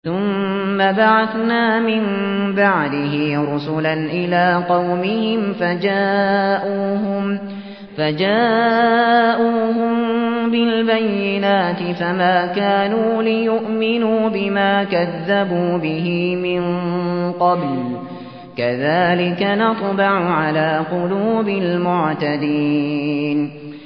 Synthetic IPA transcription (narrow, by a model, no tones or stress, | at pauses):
θʊmː | abaʕaθnaːmɪm | baʕd̪ɪɦɪɾʊsʊlanʔɪlaːqɑwmɪhɪmfad͡ʒaːʔuːɦʊm | fad͡ʒaː | ʔuːhʊmbɪlbajːɪnaːt̪ɪfamaːkaːnuːlɪjʊʔmɪnuːbɪmaːkaðːabuːbɪɦiːmɪnqɑbl | kaðaːlɪkanɑt̪ˤbɑʕʊʕalaːqʊluːbɪlmʊʕt̪ad̪iːn